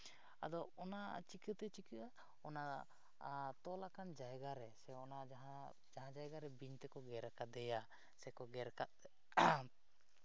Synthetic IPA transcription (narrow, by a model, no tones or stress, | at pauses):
a̰d̪ɔɔnat͡ʃikət̪ɛt͡ʃikəʔa | ɔna | t̪ɔlakand͡ʒajɡaɾɛsɛɔnad͡ʒaɦa | d͡ʒaɦãd͡ʒajɡaɾɛbiɲt̪ɛkɔɡɛɾkad̪ɛja | sɛkɔɡɛɾkat̪̚